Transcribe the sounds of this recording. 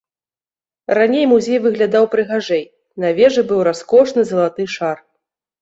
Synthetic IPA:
ranʲejmuzʲejvɨɣlʲad̪awpɾɨɣaʐɛj | navʲɛʐɨbɨwɾaskɔʂnɨzɐlˠat̪ɨʂar

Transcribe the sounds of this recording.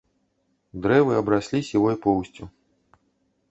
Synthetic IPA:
d̪ɾɛvɨɐbɾasʲlʲisʲivɔjpɔwsʲt͡sʲu

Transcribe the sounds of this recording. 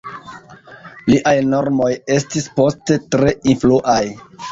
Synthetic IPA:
liʔajno̞ɾmo̞je̞stispo̞ste̞tɾe̞influʔaj

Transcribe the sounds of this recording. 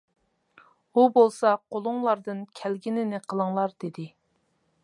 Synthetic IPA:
ubolˠsɑqʰolˠʊŋlˠɑɾd̪ɨnkʲʰælɡʲinɪnɪqʰəlˠəŋlˠɑɾd̪̥ed̪ɪ

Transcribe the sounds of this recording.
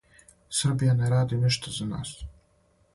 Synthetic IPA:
sɨrbijaneɾaːd̪iniʃt̪ʰazana̰ːs

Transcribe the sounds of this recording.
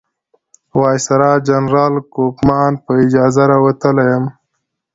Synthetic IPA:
wɑːjsɐɾaːd͡ʒɐnɾɑːlkokmɑːnpəid͡ʒɑːzaɾawɐt̪əlajəm

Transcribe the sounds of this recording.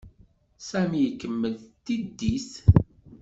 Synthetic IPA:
sæmijkːəmːəlt̪id̪ːisθ

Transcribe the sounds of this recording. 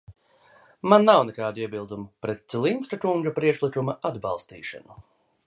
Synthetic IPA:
manːawnɛkaːd̪uiɛbilˠd̪umupɾɛt̪̚t̪silˠint̪skakuŋɡapɾiɛkʃlˠikumaad̪ba̰lˠst̪iːʃa̰nu

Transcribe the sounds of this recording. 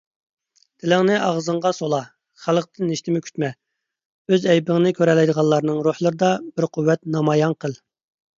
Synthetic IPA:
d̪ʰɪlɪŋnɪʔɑʁzəɴʁɑsolˠɑ | χælˠəqt̪ʰɪnːiʃt̪ɪmɪkʲʰy̥t̪mɛ | øzɛjbɪŋənɪkʲʰøɾɛlɛjd̪əʁɑlˠɑɾnɨŋɾuhlˠəɾɨd̪ɑb̥ɪɾqʰʊwːɛt̪nɑmɑjɑnqʰəlˠ

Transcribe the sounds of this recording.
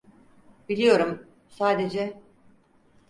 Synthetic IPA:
bilʲijo̞ɾum | saːd̪e̞d͡ʒɛ

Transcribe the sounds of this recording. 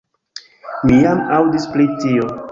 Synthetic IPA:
mijamawdisplitio

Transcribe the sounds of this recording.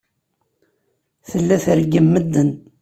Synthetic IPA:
θəlːæθəɾɡəmːəd̪ːən

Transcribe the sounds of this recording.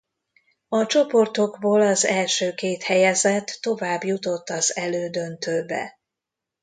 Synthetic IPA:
ɒt͡ʃo̞po̞rt̪o̞ɡboːlɒzɛlʃøːkeːt̪hɛjɛzɛt̪ːo̞vaːbjut̪o̞t̪ːɒzɛløːd̪ø̞nt̪øːbɛ̰

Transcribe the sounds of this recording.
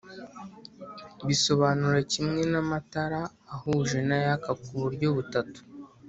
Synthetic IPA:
βiso̞βaːnuɾecimŋe̞namataɾaːhuːʒe̞najakakuβuɾɟoβutatu̥

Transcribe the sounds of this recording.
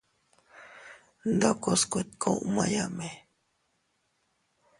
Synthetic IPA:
nd̪okoskʷet̪̚kʰoʔmajame

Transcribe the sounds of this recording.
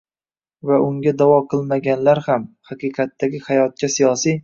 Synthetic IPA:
vaʔʊŋɡʲad̪avɒqʰɨlˠmaɡʲanlaɾhamhaqɨqʰɑt̪ːaɡʲɪhajɒt̪̚kʰʲasijɒsij

